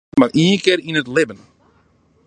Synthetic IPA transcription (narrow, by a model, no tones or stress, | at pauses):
marʔiənkɪɾinətlɪbən